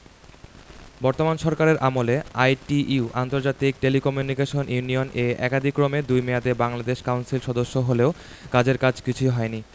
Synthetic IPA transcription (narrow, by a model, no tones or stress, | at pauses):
bɔɾt̪omanʃɔɾkaɾeɾʔamoleajʈiuʔa̰nt̪oɾd͡ʑat̪ik̚ʈelikɔmjunikeʃonjunioneɛkad̪ʱikɾomed̪ujmead̪ebaŋlad̪eʃkawnsilʃɔd̪oʃːoɦoleo | kad͡ʑeɾkad͡ʑʰkit͡ɕʰuɦɔeni